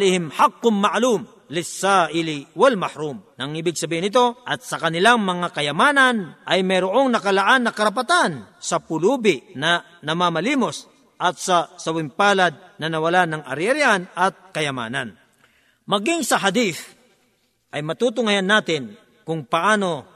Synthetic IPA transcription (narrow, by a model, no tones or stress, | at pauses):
lɪhɪmħaqːʊmːaʔlum | lɪsaʔɪlɪwɐlmɐhɾumnɐŋʔibɪɡ̚sɐbiːhɪnɪt̪o̞ʔɐt̪̚sɐkɐnɪlaŋmɐŋakɐjɐmaːnɐnʔɐjmɐjɾoʔo̞ŋnɐkɐlaʔanːɐkɐɾɐp̬at̪ansɐpʊluːbɪnɐ | nɐmamɐliːmo̞s | ʔɐt̪̚sɐsɐwɪmpaːlɐd̪̚nɐnɐwɐlanɐŋɐ̰ɾɛɾjanɐt̪̚kɐjɐma̰ːnɐn | mɐɡɪŋsɐɦad̪iθ | ʔɐjmɐt̪uːt̪̬ʊŋɐjanːaːt̪ɪn | kʊŋpɐʔaːno̞